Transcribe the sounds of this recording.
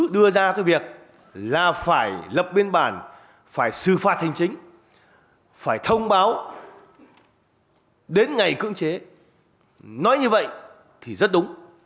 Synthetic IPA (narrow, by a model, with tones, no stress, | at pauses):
ɗɨ˧əzaː˧kaː˨˦jvi˨˩ək̚ | laː˨˩faː˧˩jlə˨˩p̚ɓi˧ənɓaː˧˩n | faː˧˩jsɨ˨˩faː˨˩t̚ha˨˩jŋ̟t͡ɕï˨˦ŋ̟ | faː˧˩jt̪ʰə˧wŋ͡mɓaː˨˦w | ɗe˨˦nŋa˨˩jkɨ̰˧˥əŋt͡ɕe˨˦ | nɔ˨˦jɲɨ˧və̰˧˨jʔ | t̪ʰi˨˩zə˦˥t̚ɗʊ˨˦ŋ͡m